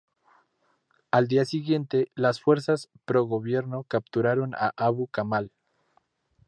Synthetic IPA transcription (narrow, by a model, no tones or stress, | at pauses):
ald̪iasiɣje̞nt̪e̞lasfwe̞ɾsas | pɾo̞ɣo̞βje̞ɾno̞kap̚t̪uɾaɾo̞na̰ʔaβukamal